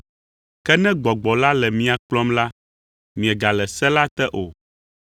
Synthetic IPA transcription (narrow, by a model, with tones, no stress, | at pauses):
kɛ˦nɛ̃˦ɡ͡bɔ˨ɡ͡bɔ˨la˦lɛ˨mĩ˦a˨k͡plɔ˦mla˦ | mĩ˨ɛ˨ɡa˨lɛ˨sɛ˦la˦t̪ɛ˦ʔo˨